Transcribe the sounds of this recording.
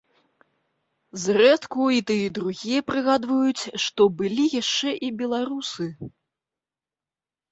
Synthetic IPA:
zrɛt̪kuit̪ɨjɛd̪ɾuɣʲijɐpɾɨɣad̪vɐjut͡sʲʂt̪ɔbɨlʲijaʂt͡ʂɛʔibʲɛlˠaɾusɨ

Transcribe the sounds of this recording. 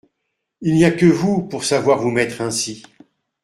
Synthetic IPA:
ilniakəvupuʁsavwaʁvumɛt̪χɛ̃si

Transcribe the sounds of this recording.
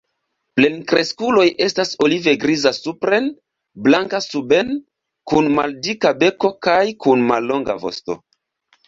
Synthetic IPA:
ple̞nkɾe̞skulo̞je̞staso̞live̞ɡɾizasupɾe̞n | blaŋkasuben | kunmaldikabe̞ko̞kajkunmalːo̞ŋɡa̰vo̞̰sto̞̰

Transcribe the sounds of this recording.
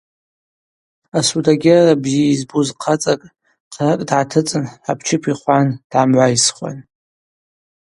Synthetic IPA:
asudʰʼaɡʲarabzijaizbuzqʰat͡sʼakʼ | qʰrakʼdʕatʰɨt͡sʼɨnapʰt͡ʃʰɪpʰiχʷand̥ʕamʕʷajsχʷa̰n

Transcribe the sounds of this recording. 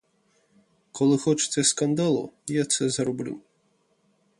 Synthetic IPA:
kɔlˠɨxɔt͡ʃɨ̥t̪sʲɐskand̪alˠṵjat̪sɛzɐɾɔblʲṵ

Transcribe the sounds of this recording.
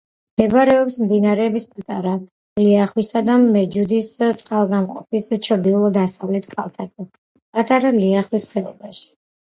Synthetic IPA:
md̪ɛbaɾɛɔpsmd̪inaɾɛːbispʼat̪ʼaɾa | liaχwisad̪amɛd͡ʒud̪ist̪sʼqʼalˠɡamqʼɔpʰist͡ʃʰɾd̪ilˠɔd̪asavlɛt̪ʰkʰalˠt̪ʰazɛ | pʼat̪ʼaɾaliaχwisχɛɔbaʃi̥

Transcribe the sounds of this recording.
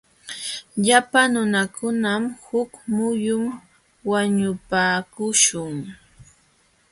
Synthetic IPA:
ʎapanʊnakʊnamhʊkmʊjʊm | waɲʊpaːkʊʃʊŋ

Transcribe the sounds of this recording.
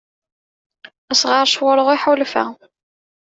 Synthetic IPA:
æsʁəɾˤʃwəɾˤəʁiħʊlfæ̰

